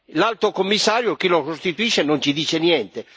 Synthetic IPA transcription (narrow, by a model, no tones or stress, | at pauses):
lalt̪okomːisːaːɾjok̟ilokost̪it̪uiʃenont͡ʃid̪iːt͡ʃenjɛnt̪e